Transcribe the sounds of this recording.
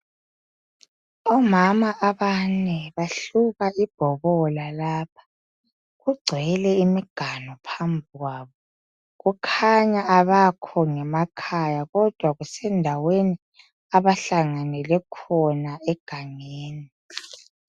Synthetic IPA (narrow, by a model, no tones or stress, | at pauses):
ɔmamaʔaβanɛβaɬuβaib̥ʱɔβɔlalaːp̚ʰḁ | ɣuɡ͡ǀʱɛlɛimiɡ̥ʱanɔpʰambʱuɣwaːβɔ | ɣukʰaɲaaβakʰɔŋɛmakʰajaɣɔd̥ʱwaɣusɛndʱaweni | aβaɬaŋanɛlɛkʰɔnaɛɡ̥ʱaŋeːni